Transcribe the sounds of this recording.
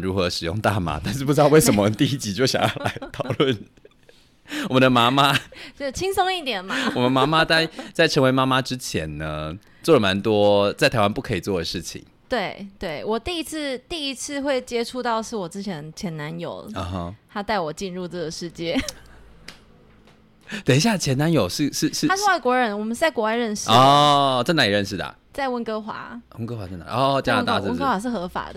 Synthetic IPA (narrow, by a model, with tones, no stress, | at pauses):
ɻu˧˥xɤ˧˦ʂɻ̩˨˩jʊ̰˥˧ŋt̪a̰˥˧ma̰˧˦t̪a˥˧nʂɻ̩˥˩pu˧˥ʈ͡ʂɻɑ˥˧ʊwe˥˩ɪʂə˧˩mə˦˧˦t̪i˥˧i˥˩t͡ɕi˧˥t͡ɕjo˥˩ʊɕjɑ̰˨˩ŋjɑ˥˩ʊʊla˧˦ɪt̪ʰɑ˨˩ʊlwə˥˨n | wɔ˨mə˦nd̪ə˧ma˥ma˦o˥˩t͡ɕʰi˦˥ŋso˥ŋi˥˩t̪jɛ˨˩nma˦wɔ˨mə˨˧ma˧˥ma˦t̪a˥˧ɪt͡sa˥˩ɪʈ͡ʂʰə˧˥ŋwe˧ɪma˦˥ma˦ʈ͡ʂɻ̩˦t͡ɕʰjɛ̰˧˥nnə˧ | t͡swɔ˥˩lə˩ma˧˦nt̪wɔ˦t͡sa˥˩ɪt̪ʰa˧˥wa˥npu˥˩kʰɤ˧˥i˨˩t͡swɔ˥˩d̪ə˩ʂɻ̩˥˩t͡ɕʰḭ˨˩˦ŋt̪we˥˩ɪt̪we˥˩ɪwɔ˨˩t̪i˥˧i˦˥t͡s̩ʰ˥˧t̪i˥˩i˧˥t͡sʰɹ̩˥˧xwe˥˩ɪt͡ɕjɛ˥ʈ͡ʂʰu˥˧t̪ɑ˥˧ʊʂɻ̩˥˩wɔ˨˩ʈ͡ʂɻ̩˥t͡ɕʰjɛ˧˥nt͡ɕʰjɛ˧˥na˧˦njo˨˩ʊə˦˧˦ɦt̪ʰa˥t̪a˥˩ɪwɔ˨˩t͡ɕi˥˧nɻu˥˧ʈ͡ʂɤ˥˩ɡə˩ʂɻ̩˥˧˩t͡ɕjɛ˥˩ | t̪e˨˩ɪi˥ɕ̬ja˥˩t͡ɕʰjɛ˧˥na˧˦njo˨˩ʊʂɻ̩˥˧ʂɻ̩˥˧ʂɻ̩˥a˥ʂ̩˥˧wa˥˩ɪkwɔ˧˥ɻə˧˥nwɔ˨˩mə˦nt͡sa˥˩ɪkwɔ˧˥wa˥˧ɪɻə˥˧nʂɻɔ˥ʈ͡ʂə˥˩na˧˥i˨˩ɻə˥˧nʂ̬ɻ̩˥˩d̪ə̰˨˩ | t͡sa˥˧ɪwə˥˩nkɤ˥xwa̰˧˥˦wə˥nkɤ˥xwa˧˥ʈ͡ʂə˥˩na̰˧˥˨ɔ˥˧t͡ɕja˥na˨˧t̪a˥˧ə˥˧˥kə˥xwa˨˧˥ʂ̬̩˥˩xɤ˧˥fa̰˨˩d̪̥ə˦